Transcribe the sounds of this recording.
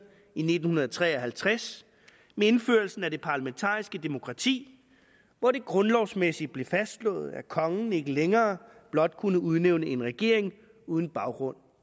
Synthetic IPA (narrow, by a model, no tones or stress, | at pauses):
ine̝d̥n̩hunɐð̩ˠt͡sʰʁɛ̰ːɒɦælt͡sʰʁas | mee̝nføːɐlsn̩æɾ̥e̝pʰɑ̈læment͡sʰɑ̰̈ːisɡ̥əd̥e̝mo̝kʰʁɑ̈t͡sʰḭː | ʋɒɾ̥e̝ɡ̥ʁɔ̽nlɒʊsmesid̥̚b̥le̝fæsd̥lɔ̰̽ːð̞̩ˠækʰɒ̽ŋn̩e̝ɡ̥əleŋɐːb̥lɒ̽d̥̚kʰunəuð̞ˠneʊnəe̝nʁɛɡ̥e̝ɐ̰e̝ŋ | uːð̞ˠn̩b̥ɑ̈ʊɡ̥ʁɔ̽n̰